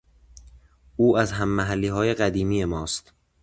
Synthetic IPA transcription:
uːæzɦæmːæɦælːiːɦɒːje̞ɢæd̪iːmiːje̞mɒːst̪

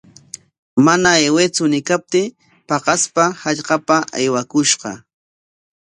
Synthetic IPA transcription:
manaewet͡sʊnɪkap̚t̪ɪ | pɑqɑspahaʎqɑpaʔajwakʊʃɢɑ̰

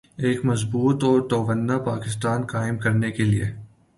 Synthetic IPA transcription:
eːkmɐzbuːt̪ɔːɾt̪oːʋənːapaːkɪst̪aːnkaːɪmkɐɾnekeliḛ

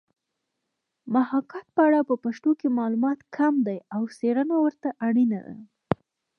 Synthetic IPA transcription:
mahɑkɑt̪̚pəaɽapəpaʃt̪okemɑlumɑt̪kʰamd̪ajawseɾənawəɾt̪aʔaɽina̰d̪a̰

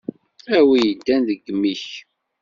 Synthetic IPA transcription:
æwijəd̪ːænðəɡmːiç

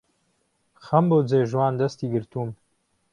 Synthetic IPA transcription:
xɐmbod͡zeːʒwaːnd̪ɐst̪iːɡɨɾt̪uːm

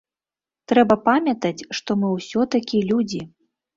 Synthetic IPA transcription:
t̪ɾɛbɐpamʲɐt̪ɐt͡sʲʂt̪ɔmɨwsʲɔt̪akʲilʲud͡zʲi

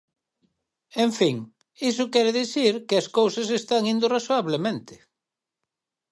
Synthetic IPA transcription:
ẽɱfiŋ | isʊkɛɾeðiθiɾkɪɐskowsɐs̬est̪aŋĩnd̪ʊrasoaβlemẽnt̪ɪ̥

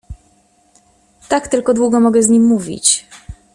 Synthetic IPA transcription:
t̪akt̪ɘlkɔd̪wuɡɔmɔɡɛzɲimːuvʲḭt͡ɕ

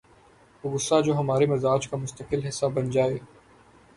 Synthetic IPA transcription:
oɡʊsːad͡ʒoːɦɐmaːɾemɐzaːd͡ʒkamʊst̪əqɪlɦɪsːabɐnd͡ʒaːeː

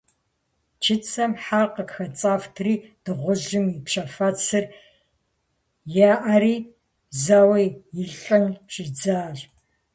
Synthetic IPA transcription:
t͡ʃʰɪt͡sʼʰɐmħarqəkxɐt͡sʼaːftʰriːd̥ɨʁʷʊʑɪmipɕɐfaːt͡sʰɨr | jaːʔɐɾiː | zaːwɐjjɪɮʼɐnt͡ʃʰʼɪd͡zaːɮ

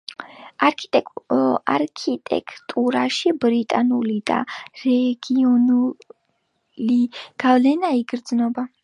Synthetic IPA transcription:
aɾkʰit̪ʼɛaɾkʰit̪ʼɛ̰kʰʼt̪ʼuɾaʃibɾit̪ʼanulid̪̥a̰ɾɛɡ̥iɔnu | liɡ̥avlɛnaiɡɾd̪znɔba

